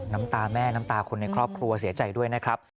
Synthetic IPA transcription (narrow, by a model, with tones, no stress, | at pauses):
na˦˥mt̪aː˧mɛː˥˩na˦˥mt̪aː˧kʰo˧nːa˧jkʰɾɔː˥˩p̚kʰɾu˧ɐsi˨˩˦ɐt͡ɕa˨˩jdu˥˩əjna˦˥kʰɾa˦˥p̚